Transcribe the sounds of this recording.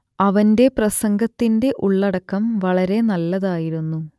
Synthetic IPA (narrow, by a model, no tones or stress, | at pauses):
ɐʋɐnde̞prɐsɐŋɡɐt̪ːinde̞ʔuɭːɐɽɐkːɐmʋɐɭɐɾe̞nɐlːɐðaːjiɾunːu